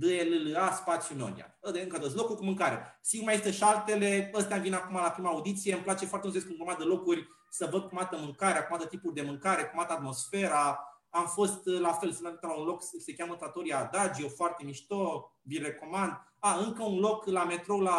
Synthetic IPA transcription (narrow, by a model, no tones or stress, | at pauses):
d̪ɨelɨlɨaspat̪sjuno̞̰nḭa̰əd̪eɨŋkəad̪ət̪slo̞kuɾʲkumɨŋkaɾḛsikmajist̪əʃalt̪e̞le̞əst̪ɛamvinakumalapɾimaːud̪it̪sije̞ɨmplat͡ʃe̞foaɾrt̪enseskɨnɡumad̪əlo̞kurʲ | səvəd̪̚kumat̪əmɨŋkaɾeakumat̪ət̪ipurʲd̪e̞mɨŋkaɾe̞kumat̪əat̪mo̞sfe̞ɾaamfo̞st̪lafe̞lsənt̪at̪u̥t̪əlaunlo̞kssekʲjamət̪ɾat̪oɾiad̪ad͡ʒjewfoart̪e̞miʃt̪obire̞ko̞mand̪ | aɨŋkəunlo̞klame̞t̪ɾola